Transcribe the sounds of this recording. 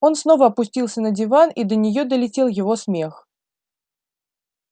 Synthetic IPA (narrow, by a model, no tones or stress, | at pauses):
o̞nsno̞vəɐpʊsʲtʲilˠsʲənədʲɪvanid̪ənʲɪjo̞d̪əlʲɪtʲe̞lˠjɪvo̞smʲex